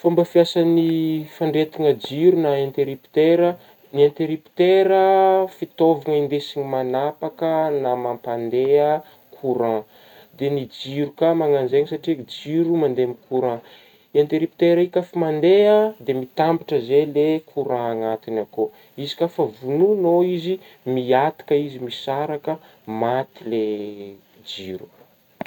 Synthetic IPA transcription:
fambəfiasanifaɳɖ͡ʐet̪iŋəd͡ʒiɾunaẽnt̪eɾipi̥t̪eɾə | niãnt̪eɾipi̥t̪eɾəfit̪ovaŋəind̪esiɲimanapakənamampand̪eə | kʰuɾã | d̪enid͡ʒiɾukamaŋanzeŋsaʈ͡ʂid͡ʒiɾumand̪emikʰuɾã | iant̪eɾipi̥t̪eɾaikʲafimand̪eəd̪emit̪ambiʈ͡ʂəzelekʰuɾãːŋat̪inako | izi̥kʲafəvununoizi | miat̪i̥kəizimisaɾakə | mat̪ile | d͡ʒiɾu̥

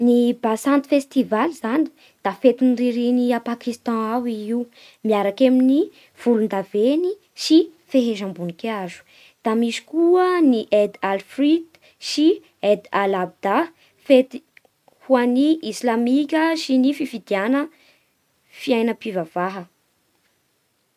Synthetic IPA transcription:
nibasãnt̪i̥fest̪ivalizani̥ | d̪̥afet̪inriɾiniapakist̪ɑ̃awiiu | miaɾakemini | v̥ulund̪aveni | ʃifeɦeʒambunikeazu̥ | d̪̥amiʃi̥kuəniʔed̪alfrid̪ | si | ed̪alab̚d̪a | fet̪i | huaniʔislamikʲəʃinififid̪ianə | fiajnəpivavaɦə

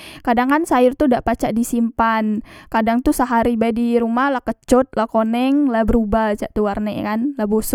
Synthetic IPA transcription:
kadaŋkansaɪrt̪udaʔpat͡ʃaʔdisimpankadaŋt̪usəɦaɾibadiɾumahlahkət͡ʃɔt̪̚lakonɛŋlabəɾubaht͡ʃaʔt̪uwarnɛ̰kanlabosʊ

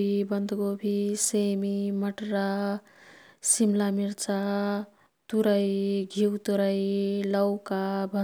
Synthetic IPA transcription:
ibʌnd̪ʱɡobʱisemimʌʈɾa | simlamiɾt͡sa | t̪uɾajɡʱiwt̪uɾajlʌwkabʱʌ

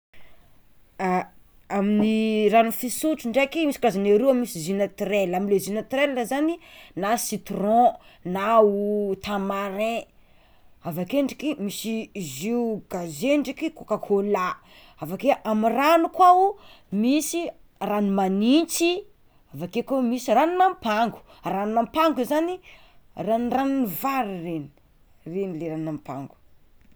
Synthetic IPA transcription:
a | aminiranufisuʈ͡ʂuɳɖ͡ʐekimisi̥kazaneɾeamisizinat̪relaminlezinat̪ɾellazaninasit̪rɔ̃naut̪amaɾẽ | avakeɳɖ͡ʐikimisiziuɡ̥azeɳɖ͡ʐikikokakʰola | avakeʔamiranukwau | misi | ranimanit͡si | avakekomisiraninampaŋɡu̥ | ranunampaŋɡuzani | ranranunivaɾireni̥ | renileɾanampa̰ŋɡu̥

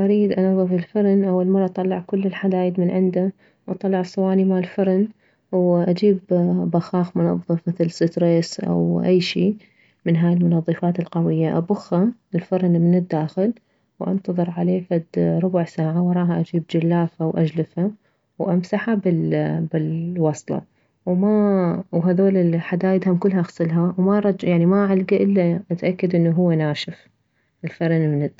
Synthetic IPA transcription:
ʔaɾiːd̪ʔɑnɑðˤːɨfɪlfʊɾnʔawːalmɑrˤːɑʔt̪ˤɑlːɑʕkʊlːɪlħad̪aːjɪd̪mɪnʕɪnd̪a | wʔɑt̪ˤɑlːɑʕsˤʊwaːnimaːlfʊɾˤn | wʔad͡ʒiːbːaxɑːxmʊnɑ̰ðˤːɨfmɪθlsɪt̪ɾeːsʔa̰wʔa̰jːʃiː | mɪnɦaːjɪlmʊnɑðˤːɨfaːt̪ɪlqɑwɪjːaʔabʊxːaɪlfʊɾnmɪnɪd̪ːaːxɪl | wʔɑ̰nt̪ɑðˤɨɾˤʕaleːfad̪ɾˤʊbʊʕsaːʕawʔɑɾˤɑːhaʔad͡ʒiːb̚d͡ʒalːaːfawʔad͡ʒlɪfha | wʔamsaħabɪlbɪlwɑsˤlɑ̰ | wmawɦaðoːlɪlħad̪aːjɪd̪hʊmkʊlːhaʔxsˤɨlɦawmaɾˤɑd͡ʒjaʕnimaʕalɡaʔɪlːaʔat̪ʔakːad̪ʔɪnːuɦʊwːanaːʃɪf | ɪlfaɾˤnmɪnɪd̪

